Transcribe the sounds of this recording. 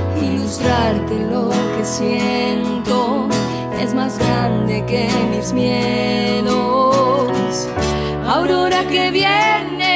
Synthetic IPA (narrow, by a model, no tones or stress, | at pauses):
ilust̪ɾaɾt̪e̞lo̞ke̞sje | nt̪o̞ | e̞̰zmazɣɾand̪e̞ke̞mizmjeðo | s | awɾo̞ɾakeβjene